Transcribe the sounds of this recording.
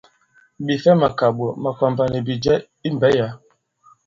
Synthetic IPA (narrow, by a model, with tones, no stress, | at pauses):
bi˨fɛ˦ma˨ka˨ɓɔ˨ma˨ka˨mba˨ni˨bi˨d͡ʒɛ˦ | i˦m˨bɛ˨˦ja˨˦